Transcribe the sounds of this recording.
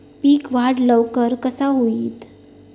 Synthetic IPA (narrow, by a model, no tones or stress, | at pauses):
piːkʋaɽləʋkəɾkəsaɦoiːt̪